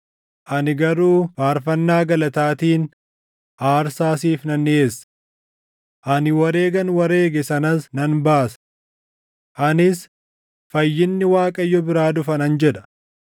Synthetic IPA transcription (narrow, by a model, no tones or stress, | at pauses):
ʔɐnɪɡɐɾuːfaːɾfɐnːaːɡɐlɐt̪aːt̪iːn | ʔaːɾsaːsiːfnɐnːɪeːsːɐ̥ | ʔɐnɪwɐɾe̞ːɡɐnwɐɾeːɡɛsɐnɐsnɐnbaːsɐ̥ | ʔɐnɪs | fɐjːɪnːɪwaːkʼɐjːɔbɪɾaːd̪ʊfɐnɐnd͡ʒɛᶑɐ̥